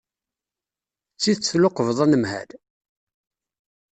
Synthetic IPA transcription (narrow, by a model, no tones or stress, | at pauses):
t͡sːiðt͡sθloqəvðˤænəmhæ̰l